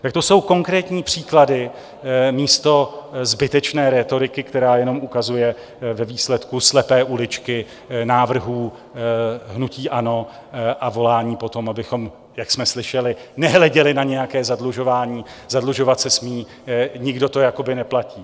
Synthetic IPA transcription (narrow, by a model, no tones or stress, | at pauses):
t̪ak̚t̪o̞so̞wko̞ŋkɾɛːt̪ɲiːpr̝̥iːkladɪ | miːst̪o̞zbɪt̪ɛt͡ʃnɛːɾɛt̪o̞ɾɪkɪkt̪ɛɾaːjɛno̞mʔukazujɛ | vɛviːslɛt̪kuslɛpɛːʔulɪt͡ʃkɪ | naːvr̩ɦuː | ɦnuciːʔano̞ | ʔavo̞laːɲiːpo̞t̪o̞mʔabɪxo̞m | jaksmɛslɪʃɛlɪnɛɦlɛɟɛlɪnaɲɛjakɛːzadluʒo̞vaːɲiː | zadluʒo̞vat̪sɛsmiː | ɲɪɡdo̞t̪o̞jako̞bɪnɛplaciː